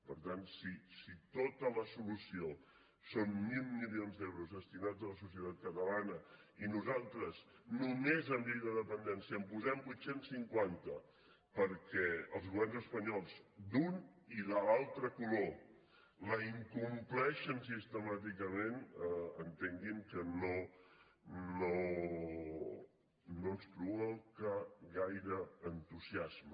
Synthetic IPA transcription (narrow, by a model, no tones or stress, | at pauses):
pəɾt̪ansisit̪ot̪ələsulusio | sonmilˠmilionzd̪ɛwɾuzðəst̪inad͡zələsusiət̪at̪̚kət̪əlanə | inuzalˠt̪ɾəz | numezəmbijðəðəpənd̪ɛnsiəmpuzɛmbujt̪sensiŋkwant̪ə | pəɾkɛəlˠzɣulanzəspəɲɔlˠzd̪un | iləalˠt̪ɾəkulo | ləiŋkumplɛʃəns̬ist̪əmat̪ikəmenənt̪eŋɡiŋkəno | no | noəkstɾuəlkaɣajɾəənt̪uziazmə